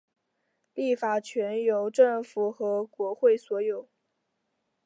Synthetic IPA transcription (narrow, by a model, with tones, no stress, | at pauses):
li˥˩fa˨˩t͡ɕʰɥɛ˧˥njo˨˩ʊʈ͡ʂɤ˥˩ŋfu˨˩xɤ˧˥kwɔ˧˥xwe˥˩ɪswɔ˧˥jo˨˩˦ʊ